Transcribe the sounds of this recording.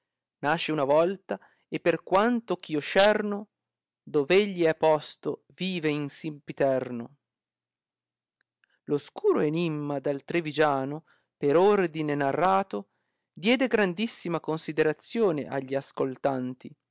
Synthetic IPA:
naʃeunavɔlt̪a | epːerkwant̪ok̟iːoʃɛrno | d̪oveʎːiɛpːɔst̪o | viːveinsimpit̪ɛrno | loskuːɾoenimːad̪alt̪ɾevid͡ʒaːno | peɾord̪inenarːaːt̪o | d̪jɛːd̪eɡɾand̪isːimakonsid̪eɾat̪sːjoːneʔa̰ʎːiaskolt̪ant̪i

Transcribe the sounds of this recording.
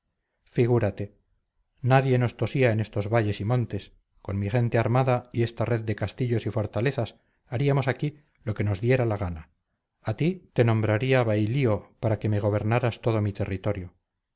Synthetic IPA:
fiɣ̞uɾat̪e̞ | naðje̞no̞st̪o̞siae̞ne̞st̪o̞zβaʎe̞simõ̞nt̪e̞s | ko̞nmiχe̞nt̪e̞aɾmaðaie̞st̪are̞ðd̪e̞kast̪iʎo̞sifo̞ɾt̪ale̞θas | aɾiamo̞saki | lo̞ke̞no̞zðje̞ɾalaɣ̞ana | at̪it̪e̞nõ̞mbɾaɾiaβajlio̞paɾake̞me̞ɣ̞o̞β̞e̞ɾnaɾast̪o̞ð̞o̞mit̪e̞rit̪o̞ɾjo̞

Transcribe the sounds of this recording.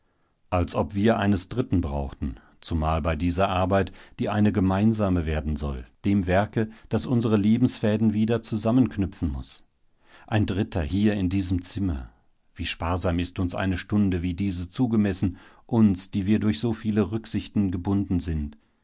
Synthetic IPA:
ʔalsʔɔpv̥iːɐʔaɪnəsd̥ʁɪtn̩bʁa̰ʊxtn̩ | t͡sumaːlbaɪdiːzɐʔaɐbaɪtd̥iːʔaɪnəɡəmaɪnzaːməveːɐdn̩zɔ̰ld̥eːmvɛɐkəd̥asʔʊnzəʁəleːbm̩sfɛːdn̩viːdɐt͡suzamənkʰnʏpp͡fn̩mʊ̰s | ʔaɪndʁɪtʰɐhiːɐɪndiːzəmt͡sɪmɐ̰ | v̥iːʃpaːɐzaːmɪstʊnsʔa̰ɪnəʃtʊndəviːdiːzət͡suːɡəmɛsn̩ | ʔʊnsd̥iːviːɐdʊɐçz̥oːfiːləʁʏkz̥ɪçtn̩ɡəbʊndn̩zɪnt

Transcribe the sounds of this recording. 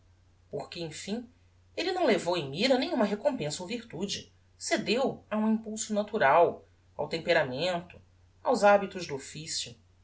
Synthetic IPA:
pohkɪẽj̃fĩ | elinɐ̃w̃levowẽmiɾɐnẽj̃ũmɐɦekõpẽsɐoviɾt̪ud͡ʒɪ | sed̪ewɐũĩpuwsʊnat̪uɾaw | a̰wt̪ẽmpeɾamẽnt̪ʊ̥ | awzabit̪ʊʒd̪ʊofisjʊ

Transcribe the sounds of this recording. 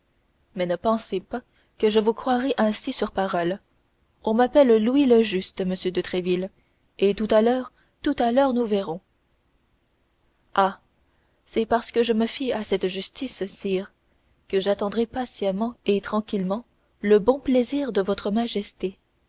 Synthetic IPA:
mɛnəpɑ̃sepa | kəʒəvukχwaʁɛʔɛ̃sisyʁpaʁɔl | ɔ̃mapɛlluiləʒyst̪məsjød̪ət̪χɛvil | et̪ut̪alœːʁ | t̪ut̪alœːʁnuvɛʁɔ̃ | a | sɛpaʁsə̥kəʒəməfiasɛt̪ʒyst̪issiːʁ | kəʒat̪ɑ̃d̪ʁɛpasjamɑ̃et̪χɑ̃kʲilmɑ̃ | ləbɔ̃pleziːʁd̪əvɔt̪χəmaʒɛst̪e

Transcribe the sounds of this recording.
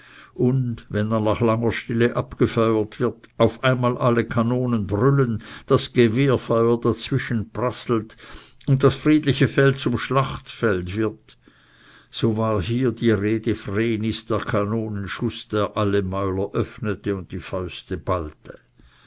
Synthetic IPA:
ʔʊndvɛndannaχlaŋɐʃtɪləʔapɡ̥əfœʏɐtv̥ɪɐtʔaʊfʔaɪnmaːlʔaləkʰanoːnənbʁʏlənd̥asɡ̥əveːɐfɑʏɐdat͡sv̥ɪʃənpʁasl̩tʊnt̚dasfʁ̥iːdlɪçəfɛlt̚t͡sʊmʃlaχtfɛltvɪɐt | soːvaːʁɦiːɐdiːʁeːdəfʁeːnɪsd̥eːɐkʰanoːnənʃʊsd̥eːɐʔaləmaʏlɐʔœfnətəʊnt̚tiːfaʏstəbaltʰə

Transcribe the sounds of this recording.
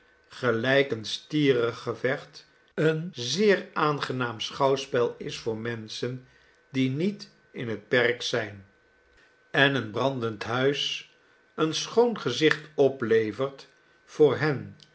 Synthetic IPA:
χəlɛjkənstiːrəχːəvɛχt | ənzɪːɹaːnχənaːmsχɑwspɛlˠɪsfʊːɹmɛnsən | dinit | ɪnɦət̚pɛrksɛjn | ɛnənbrɑndəntɦœɥs | ənsχownχəzɪχtɔplejvəɹt | fʊːɹɦɛn

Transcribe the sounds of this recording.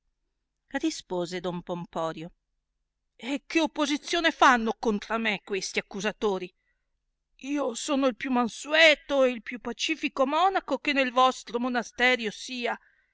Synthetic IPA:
rispoːzed̪ompompɔːɾjo | ek̟ːeopːozit̪sːjoːnefanːokont̪ɾamekwest̪iakːuzat̪oːɾi | iːosoːnoilpjumansuɛːt̪oeilpjupːat͡ʃiːfikomɔːnakokenelvɔst̪ɾomonast̪ɛːɾjosiːa

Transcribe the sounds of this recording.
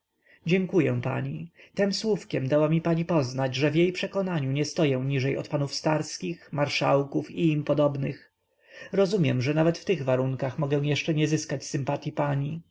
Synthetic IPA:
d͡ʑɛŋkujɛ̃pa̰ɲit̪ɛmswufkʲɛmd̪awamʲipaɲipɔznad͡ʑʐɛvʲjejpʂɛkɔnaɲuɲɛst̪ɔjɛ̃ɲiʐɛjɔ̰t̪panufst̪aɾskʲixmaɾʂawkufiːmpɔd̪ɔbnɘx | ɾɔzumʲjɛmʐɛnavɛt̪ft̪ɘɣvaɾuŋkaxmɔɡɛ̃w̃jɛʂt͡ʂɛɲɛzɘskat͡ɕsɘmpat̪ʲjipaɲi

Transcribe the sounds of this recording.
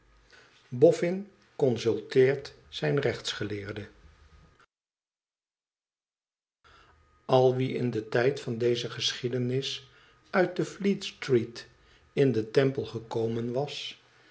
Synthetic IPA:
bɔfɪn | kɔnsɵlˠtɪːɹt | sɛjnrɛχtsχəlɪːɹdə | ɑlˠʋiɪ̰ndətɛjtfɑndejzəχəsχidənɪs | œɥt̚dəflitstrit | ɪndətɛmpəlˠχəkowmənʋɑs

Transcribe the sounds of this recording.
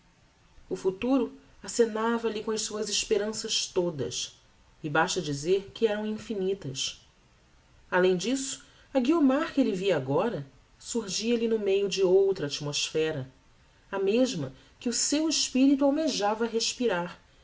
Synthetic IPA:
ʊfut̪uɾʊ | asenavɐlɪkõɐʃsuɐzɪʃpeɾɐ̃sɐʃt̪od̪ɐ̰s | ɪbaʃt̪ɐd͡ʒizeɾkɪɛɾɐ̃w̃ĩfinit̪ɐs | alẽj̃d͡ʒisʊ̥ | ɐɡiomaɾkɪelɪviɐaɡɔɾɐ | suhʒiɐlɪnʊmejʊd͡ʒɪowt̪ɾɐat͡ʃimoʃfɛɾɐ | ameʒmɐ | kɪʊsewɪʃpiɾit̪uawmeʒavɐːɦeʃpiɾaɾ

